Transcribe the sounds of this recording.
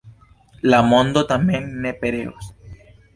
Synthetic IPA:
lamõnd̪ot̪amjeŋnepeɾeos

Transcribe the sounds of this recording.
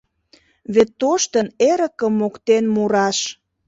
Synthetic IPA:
βet̪ːoʃt̪əneɾə̆kəmːokt̪enmuɾɑʃ

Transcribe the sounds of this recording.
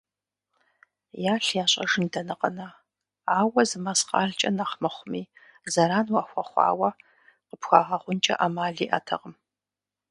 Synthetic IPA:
jaːɬjaːɕʼɐʐɨndɐnɨqʼə̰na | aːwɐzɨmasqɑ̰ːɮt͡ʃʼɐnaχmɐχʷʊmiː | zɐɾaːnwaxʷɐχʷɑ̰ːwɐ | qəpxʷa̰ːʁɐχʷʊnt͡ʃʼɐ̰ʔaːmaːɮiːʔa̰tʰɐ̰ʁəm

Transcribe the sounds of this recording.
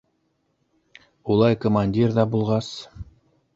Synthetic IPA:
ulˠɑjkomanʲdʲirðɑbulˠʁɑs

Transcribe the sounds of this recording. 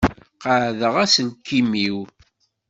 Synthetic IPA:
qəʕðəʁæsəlkːimiw

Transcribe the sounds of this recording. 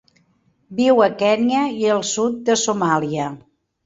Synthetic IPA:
biwəkɛniəiəlˠsut̪̚d̪əsumaliə

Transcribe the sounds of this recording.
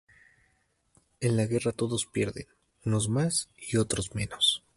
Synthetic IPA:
e̞nlaɣe̞rat̪o̞ðo̞spje̞ɾðḛn | uno̞zmasio̞t̪ɾo̞zme̞nos

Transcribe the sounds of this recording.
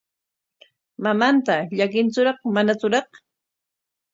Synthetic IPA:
mamant̪aʎakɪnt͡sʊɾɑχmanat͡sʊɾɑχ

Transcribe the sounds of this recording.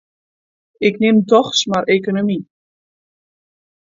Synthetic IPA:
ɪknɪmtɔχsmaɾejkonomi

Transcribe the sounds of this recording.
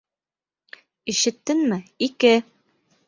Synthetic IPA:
ĭʃɘ̆t̪ːɘnmɘikɘ

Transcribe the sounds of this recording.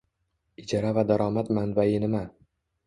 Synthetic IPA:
ɪd͡ʒɒɾavad̪aɾɒmat̪manbaɪnɪma

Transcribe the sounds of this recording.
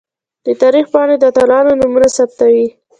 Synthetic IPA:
d̪̥ət̪ɑɾixpɑɽed̪at̪alɑnonumunasap̚t̪awi

